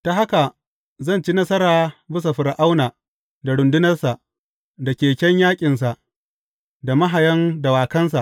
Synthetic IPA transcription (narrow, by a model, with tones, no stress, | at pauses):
ta˨ɦa˦ka˨ | zɐ˦˨nt͡ʃi˦nɐ˦sɐ˦ɾaː˨bɪ˦s̬a˨ɸɪ˨ɾʔa˦wnaː˨ | da˨ɽʊ˨ndʊ˦nɐ˦rsa˨ʔ | da˨kʲeː˨kʲɛ˦ɲjaː˦kʲʼɪ˨ns̬a˨ʔ | da˨mɐ˦ɦa˨jɐ˦nda˨waː˨kɐ˦ns̬a˨ʔ